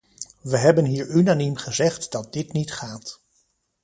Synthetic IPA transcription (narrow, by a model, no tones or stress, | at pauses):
ʋəɦɛbənɦiːɹynanimχəzɛχtdɑt̚dɪtnitχaːt